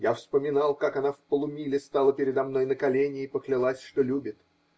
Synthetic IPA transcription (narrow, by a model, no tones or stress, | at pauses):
jafspəmʲɪnalˠkakɐnafpəlˠʊmʲilʲɪst̪alˠəpʲɪɾʲɪd̪ɐmn̪o̞jnəkɐlʲenʲɪːpəklʲɪlˠasʲʂt̪olʲubʲɪt̪